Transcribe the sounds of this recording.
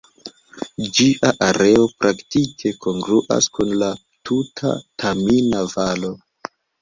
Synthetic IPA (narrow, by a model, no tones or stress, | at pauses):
d͡ʒiʔaʔaɾe̞o̞pɾʔaktikʰe̞ko̞ŋɡɾuʔa̰skunla | tʰutʰa̰tʰaminavalo̞